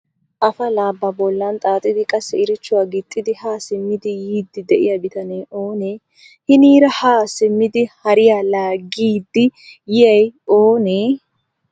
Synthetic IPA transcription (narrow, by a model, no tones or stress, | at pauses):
ʔɐfɐlaːbːɐbɔlːɐnt̪ʼaːt̪ʼːɪd̪ɪkʼɐsːɛɪɾɪt͡ʃːʊwaːɡɪt̪ʼːɪd̪ɪhaːsɪmːɪd̪ɪjiːd̪ːɪd̪ɛʔɪ̰jɐbɪt̪ɐneːʔo̞ːneː | hɪniːɾɐhaːsɪmːɪd̪ɪhɐɾɪjaːlaːɡːiːd̪ːɪjɪjɐjoːneː